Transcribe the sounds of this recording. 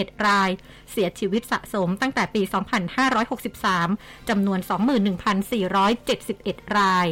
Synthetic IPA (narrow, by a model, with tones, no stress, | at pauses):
e˨˩t̪̚ɾaː˧j | si˩˦ɐt͡ɕʰiː˧wi˦˥t̪̚sa̰˨˩ʔso˩˦mt̪a˥˩ŋt̪ɛː˨˩piː˧sɔː˩˦ŋpʰa˧nhaː˥˩ɾɔː˦˥jho˨˩k̚si˨˩p̚saː˩˦mt͡ɕa˧mnu˧ənsɔː˩˦ŋmɯː˨˩nːɯ˨˩ŋpʰa˧nsiː˨˩ɾɔː˦˥jt͡ɕe˨˩t̪̚si˨˩p̚ʔe˨˩t̪̚ɾaː˧j